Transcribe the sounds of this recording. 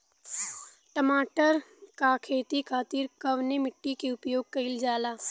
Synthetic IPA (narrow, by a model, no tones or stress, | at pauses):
ʈəmaːʈəɾkakʰeːt̪ikʰaːt̪iɾkɐʋnemɪʈːikeʊpjoːɡ̚kɐɪld͡ʒaːlaː